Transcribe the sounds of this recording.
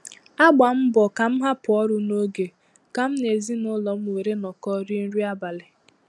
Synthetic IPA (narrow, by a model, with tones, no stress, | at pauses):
a˦ɡ͡ba˨m̩˦bɔ˨ka˨m̩˦ɦa˦pʊ˨ɔ˦ɾʊ˨no˦ɡe˨ | ka˨m̩˦ne˨zi˦nʊ˦lɔ˨m̩˦we˨ɾe˦nɔ˨kɔ˦ɾi˦n̩˦ɾi˦a˦ba˨lɪ˨